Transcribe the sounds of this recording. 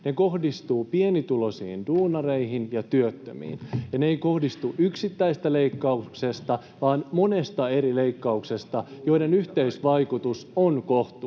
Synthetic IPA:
nekohdist̪uːpienit̪ulosḭːnduːnɑreiɦinjɑt̪yøt̪ːø̰mḭːnjɑneeikohdist̪uʔyksit̪ːæist̪æleikːɑuksest̪ɑ | ʋɑːnmonest̪ɑeɾileikːɑuksest̪ɑjoidenyht̪eisʋɑikut̪usonkoht̪u

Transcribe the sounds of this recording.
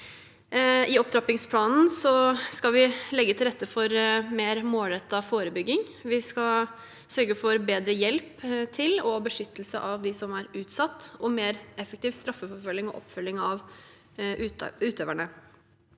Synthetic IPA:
ɪɔp̚t̪ʰɾɑpɪŋspʰlɑːnn̩sɔskɑʋɪlɛɡːət̪ʰɪlɾɛt̪ːəfɔɾmeːɾmoːlɾɛt̪ːɑfoːɾəbʏɡːɪŋʋɪskɑ | sœɾɡəfɔɾbeːd̪ɾəjɛlpt̪ʰɪlɔbəʂʏt̪ːəlsə̰ʔɑʋd̪ɪsɔmæɾʉːt̪sɑt̪ːɔmeːɾɛfəkt̪iːʋst̪ɾɑfːəfɔɾfœlːɪŋɔʔɔ̰pfʏlːɪŋɑʋ | ʉːt̪øːʋæɳə

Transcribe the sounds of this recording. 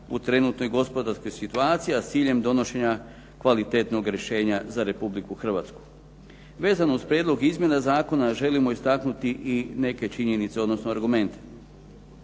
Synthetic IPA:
ut̪ɾe̞nut̪no̞jɡo̞spo̞d̪aɾsko̞jsit̪uaːt̪sijiast̪siːʎe̞md̪o̞no̞ʃe̞ɲa | kʋalit̪e̞t̪no̞ɡɾjeʃe̞ːɲazaɾe̞publikuxr̩ʋat̪sku̥ | ʋe̞ːzanouspɾjed̪lˠo̞ɡizmje̞nazaːko̞naʒe̞limo̞ist̪aknut̪iʔine̞ke̞t͡ʃiɲe̞nit̪se̞od̪no̞snoaɾɡume̞nt̪e̥

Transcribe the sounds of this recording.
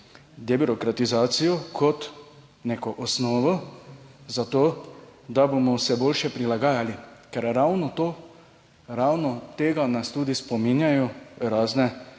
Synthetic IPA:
d̪ɛbiɾɔkɾat̪izaːt̪sijɔkʰɔt̪ | neːkɔʔɔsnɔːʋɔ | zat̪oːd̪abomɔwsɛboːlʃɛpɾilaɡaːjalikɛɾɾawnɔt̪oː | ɾawnɔt̪eːɡanast̪uːd̪ispɔminjajɔɾaːznɛ

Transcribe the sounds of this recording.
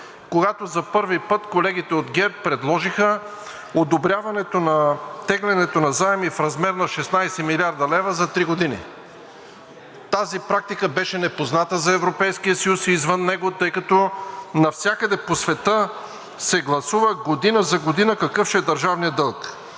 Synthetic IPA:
koɡat̪ozɐpɤɾvipɤt̪kolɛɡit̪ɛod̪ɡʲɛpɾɛd̪lˠɔʒixə | od̪obɾʲjavɐnɛt̪onɐt̪ɛɡlʲɛnɛt̪onɐzaɛmifɾɐzmɛɾnɐʃɛsnajsɛmilʲiaɾd̪ɐlɛvɐzɐt̪ɾiɡod̪inḭ | t̪azipɾak̚t̪ikəbɛʃɛnɛpoznat̪əzɐɛvɾopɛjskijəsɐjusiːzvənːɛɡot̪ɤjkɐt̪ɔnɐfsʲjakəd̪ɛposvɛt̪ə | sɛɡlˠɐsuvəɡod̪inəzɐɡod̪inəkɐkɤfʃɛɛd̪ɐɾʒavnijəd̪ɤlˠk

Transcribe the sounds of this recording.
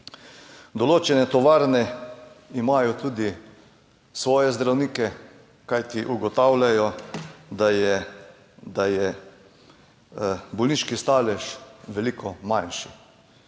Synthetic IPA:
d̪ɔloːt͡ʃɛnɛt̪ɔʋaːɾnɛ | imaːjɔt̪uːd̪i | sʋɔːjɛzd̪ɾawniːkɛ | kajt̪iʔuɡɔt̪awlʲjajɔd̪ajɛ | d̪ajɛ | bɔlniːʃkist̪aːlɛʃʋɛliːkʰɔmajnʃi̥

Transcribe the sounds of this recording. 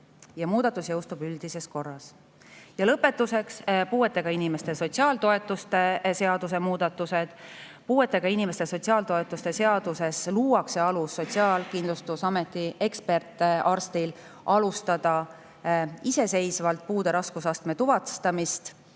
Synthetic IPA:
jɑmuːd̪̥ɑt̪ːˑusjɤ̞wst̪ubyld̪̥ise̞sko̞rːɑs | jɑlɤpːe̞t̪ːˑuse̞kspuːe̞t̪ːˑe̞ɡ̥ɑinime̞st̪e̞so̞t̪ʲsiɑːlt̪o̞e̞t̪ːˑust̪ese̞ɑd̪use̞muːd̪ɑt̪ːˑuse̞d̪̥ | puːe̞t̪ːˑe̞ɡ̥ɑinimest̪e̞so̞t̪ʲsiɑːlt̪o̞e̞t̪ːˑust̪e̞seɑd̪̥use̞sluːwɑkseɑlusːo̞t̪ʲsiɑːlkind̪lust̪usɑme̞t̪ːie̞kspe̞rt̪ːɑrst̪il | ʔɑlust̪ɑd̪̥ɑ | ise̞se̞jsvɑlt̪̚puːd̪e̞ɾɑskusɑst̪me̞t̪uvɑt̪st̪ɑmist̪

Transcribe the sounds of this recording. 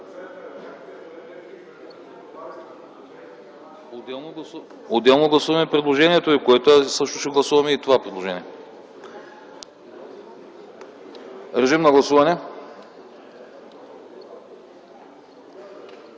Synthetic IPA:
od̪ɛlˠnoɡlˠɐ | od̪ɛlˠnoɡlˠɐsuvɐmɛpɾɛd̪lˠoʒɛniɛt̪oikoɛt̪osɤʃt̪oʃɛɡlˠɐsuvɐmɛit̪ovapɾɛd̪lˠoʒɛnʲiɛ | ɾɛʒimnɐɡlˠɐsuvɐnɛ

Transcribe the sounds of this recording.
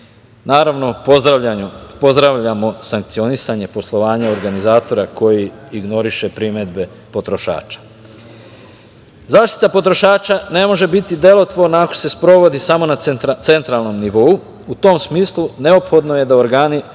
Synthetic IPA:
naːɾaʋno̞pod̪ɾaapo̞zd̪ɾaʋʎamo̞saŋk̚t̪sio̞nisaɲe̞po̞slˠo̞ʋaːɲao̞ɾɡanizaːt̪o̞ɾako̞jiːɡno̞ɾiʃe̞pɾime̞d̪be̞ | po̞t̪ɾo̞ʃa̰ːt͡ʃḁ | zaːʃt̪i̥t̪apo̞t̪ɾo̞ʃaːt͡ʃane̞mo̞ʒe̞bit̪id̪e̞lo̞t̪ʋo̞ɾnaako̞̥se̞spɾo̞ʋo̞d̪isamo̞nat̪se̞nt̪ɾalˠno̞mniʋo̞u | ut̪o̞msmiːslˠune̞o̞pxo̞d̪noje̞d̪aoɾɡaːni

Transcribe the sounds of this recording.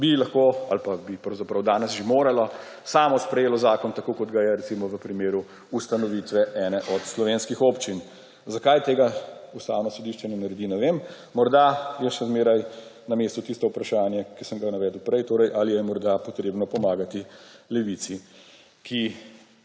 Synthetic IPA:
bilɐxkoa̰lpabipɾɐwzapɾɐwd̪aːnɛsʒemoːɾalɔ | saːmɔspɾɛjeːlɔzaːkɔnt̪akokɔd̪ɡajɛɾɛt̪imɔʋəpɾimeːɾu | ust̪anɔʋit̪ʋɛʔɛːnɛʔɔt̪slɔʋeːnskixopt͡ʃin | zakajt̪eːɡaust̪a̰ːwnɔsɔd̪iʃt͡ʃɛnɛnaɾɛd̪inɛʋemː | ɔɾd̪ajɛʃɛzmeːɾajnameːst̪ut̪ist̪ɔupɾaʃaːnjakisəmɡanaʋɛːd̪əwpɾɛjt̪oːɾɛjʔalijɛmɔɾd̪apɔt̪ɾeːbnɔpɔmaːɡat̪ilɛʋit̪si | kʰi

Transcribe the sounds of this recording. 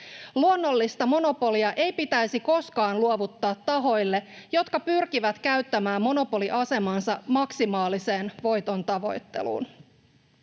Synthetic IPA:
luonːo̞lːist̪ɑmo̞no̞po̞liɑʔe̞jpit̪æjsiko̞skɑːnluoʋut̪ːɑːt̪ːɑɦo̞jlːe̞jo̞t̪kɑpyrk̟iʋæt̪kæɥt̪ːæmæːmːo̞no̞po̞liʔɑse̞mɑnsɑmɑksimɑːlise̞ːnʋo̞jt̪o̞nt̪ɑʋo̞jt̪ːe̞̰lṵːn

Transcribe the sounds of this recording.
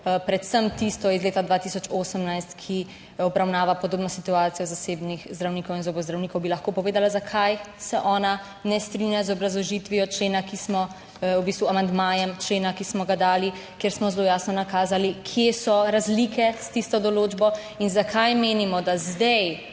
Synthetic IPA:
pɾɛt̪səmt̪ist̪ɔizleːt̪ad̪ʋat̪iːsɔt͡ʃoːsəmnajst̪kʰi | ɔbɾawnaːʋapɔd̪oːbnɔsit̪uaːt̪sijɔzaseːbnixzd̪ɾawniːkɔwinzobɔzd̪ɾawniːkɔwbilɐxkoːpɔʋeːd̪alazakʰajsɛʔɔːna | nɛst̪ɾinjazɔbɾazlɔʒit̪ʋiɔt͡ʃleːnakismɔ | ubist̪ʋuamand̪maːjɛmt͡ʃleːnakismɔɡad̪aːli | kjeɾsmɔzlojaːsnɔnakaːzalikʰjesɔɾazlikʰɛst̪ist̪ɔd̪ɔloːd͡ʒbɔ | inzakʰajmeːnimɔd̪azd̪ɛj

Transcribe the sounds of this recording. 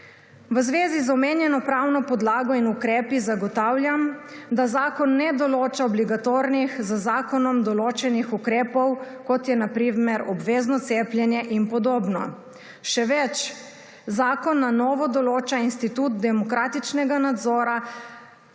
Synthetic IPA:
ʋəzʋeːzizɔmeːnjɛnɔpɾawnɔpɔd̪laːɡɔinukɾɛːpizaɡɔt̪aːwljamd̪azaːkɔnːɛd̪ɔloːt͡ʃaɔbliɡat̪oːɾnixzəzaːkɔnɔmd̪ɔloːt͡ʃɛnixukɾɛːpɔwkɔt̪jɛnapɾimɛɾɔbʋeːznɔt̪seːplʲjɛnjɛʔinpɔd̪oːbnɔ̰ | ʃɛʋɛt͡ʃ | zaːkɔnːanɔːʋɔd̪ɔloːt͡ʃainst̪it̪ut̪d̪ɛmɔkɾaːt̪it͡ʃnɛɡanad̪zɔːɾa

